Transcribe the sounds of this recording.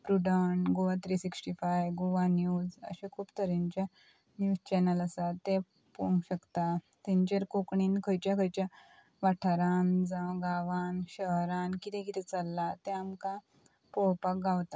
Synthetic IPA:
pɾuɖəɳɡoʋat̪ɾisiksʈifajʋɡoʋanjuːzə̰ɕẽkʰuːpt̪əɾiɲt͡ɕa | njuːzt͡ɕɛnələsat̪e | puŋɡɕəkt̪a | t̪ɛ̃ɲt͡ɕeɾkokɳinkʰəjt͡ɕjakʰəjt͡ɕja | ʋaʈʰaɾand͡zãɡaʋanɕəɦɾãnkit̪ẽkit̪ɛt͡salːat̪ẽamka | powpak̚ɡawt̪a

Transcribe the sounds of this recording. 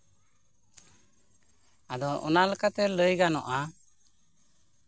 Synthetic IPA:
ad̪ɔʔɔnaləkat̪ɛləjɡanɔʔa

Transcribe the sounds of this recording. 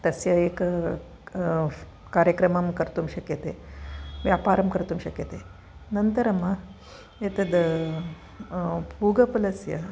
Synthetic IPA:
t̪ɐsjɐek | kaːɾjəkɾɐmɐmkɐɾt̪umɕɐkjɐt̪eʋjaːpaːɾɐmkɐɾt̪uːmɕɐkjɐt̪e | nɐnt̪ɐɾɐmɐ | et̪ɐd̪ | puːɡɐpɐlɐsjɐ

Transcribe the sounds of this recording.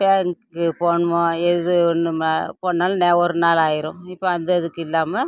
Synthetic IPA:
beːŋkɯpoːnmoɛðɯɔnːɯmpoːnːaːlneːʋɔɾɯnaːlaːjɪɾʊ̃ɪpːoɐnd̪ɐðɯkːɪlːaːmɐ

